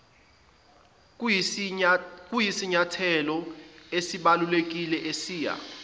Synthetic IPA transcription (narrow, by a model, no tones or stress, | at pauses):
k̬ʼujisiɲatʰɛlɔesiɓalulek̬ilɛʔesiːja̰